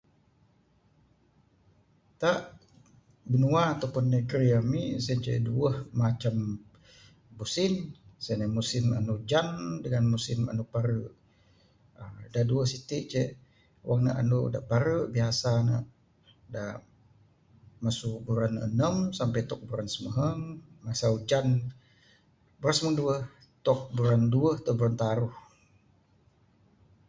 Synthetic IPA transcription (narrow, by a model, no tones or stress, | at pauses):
t̪aʔ | bənuaat̪apʊnːəɡɾiamiʔsənt͡ʃə̰ʔduəhmat͡ʃam | busɪnsənəmusɪma̰nud͡ʒandəŋanmusɪma̰nupaɾəʔ | ədaduəhsit̪iʔt͡ʃəʔ | wʔaŋna̰ʔa̰nuʔda̰ʔpaɾəʔbiasana̰ʔ | da | masubuɾanə̰nəmsampajt̪ɔk̚buɾansəməɦəŋmasaud͡ʒan | buɾansəməɦəŋduəh | t̪ɔk̚buɾanduəht̪ɔbuɾant̪aɾuh